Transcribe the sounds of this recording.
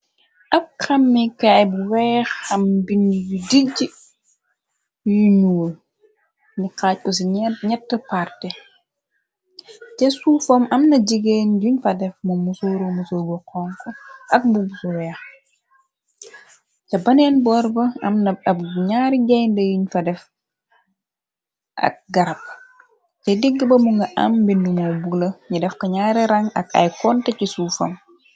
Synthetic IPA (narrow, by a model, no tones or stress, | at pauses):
ʔɐb̚kɐmːikajbuwɛːxɐmbiniɟudiɟi | juɲuwl | nikaːc̚kɔs̬iɲɛtːəpaɾtɛ | tɛsufɔmɐmnɐɟiɡeːnɟuɲfɐdɛfmɐmusoːɾomusoːɡɔqɔːŋkɔɐk̚bubusuwɛːx | cɐbɐnɛnbɔːɾbɐɐmnɐɐɲaːɾiɡɛjndɐjiɲfɐdɛf | ʔɐ̰k̚ɡɐɾɐp̚ | tɛdiɡːəbɐmuŋɡɐʔɐ̰mbindumowbulɐɲidɛfkɐɲaːɾiɾɐŋɐ̰kɐ̰jkɔntɛcisufom